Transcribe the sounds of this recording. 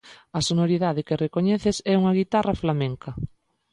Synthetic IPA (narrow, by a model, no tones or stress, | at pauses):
ɐsonoɾiðaðɪkɪrekoɲɛθesɛuŋɐɣit̪arɐflamẽŋkɐ